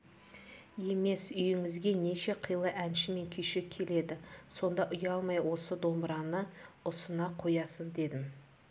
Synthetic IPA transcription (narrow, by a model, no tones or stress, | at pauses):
je̞me̞sʏjɪŋɪzɡʲe̞ne̞ʃe̞qʰəjlˠəʔænʃɪme̞ŋkʲʰʏjʃɪkʲʰe̞le̞d̪ɪso̞nd̪ɑʔʊjɑlˠmɑjwo̞səd̪o̞mbɾɑnəʊsənɑqʰo̞jɑsəzd̪e̞d̪ɪm